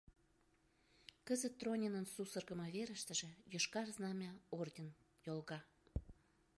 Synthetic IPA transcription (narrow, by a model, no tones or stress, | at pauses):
kəzət̪ːronʲenənsusərɣə̆məveɾə̆ʃt̪ə̆ʒĕjoʃkɑrznɑmʲɑord̪ʲen | jolɣɑ